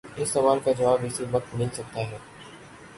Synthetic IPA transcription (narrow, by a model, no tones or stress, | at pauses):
ɪsːɐʋaːlkad͡ʒɐʋaːbɪsiʋɐk̚t̪mɪlsɐk̚t̪aɦɛː